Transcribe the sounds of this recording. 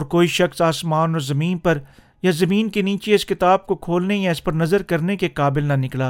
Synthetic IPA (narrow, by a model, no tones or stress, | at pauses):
ɔːɾkoːiʃɐxsaːsmaːnɔːɾzɐmiːnpɐɾ | jazɐmiːnkeniːt͡ʃeɪskɪt̪aːb̚kokʰoːlnejaɪspɐɾnɐzəɾkɐɾnekekaːbɪlnɐnɪklaː